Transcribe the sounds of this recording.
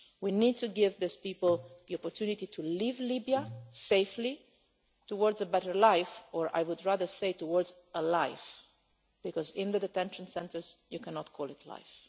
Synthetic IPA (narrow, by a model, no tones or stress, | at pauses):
winid̚tuɡɪvðɪspipəl̩ðiɔpɔɹt̪ʰjunit̪itʰulivlibiaseɪfli | tuwɔɹdzəbɛɾə˞laɪfɔɹʔa̰jwʊdɹaðə˞seɪtuwɔɹdz | əlaɪf | b̥ikɔzɪ̃nd̪əd̪ɛt̪ɛ̃nʃə̃nsɛ̃ntəɹzjukænɔtkʰɔlˠɪtʰla̰ɪf